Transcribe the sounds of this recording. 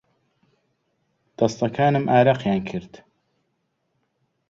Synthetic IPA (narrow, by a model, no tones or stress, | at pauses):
d̪̥ɑst̪ɐkʰaːnɨmʔaːɾaqjaːnkʰɨɾd̪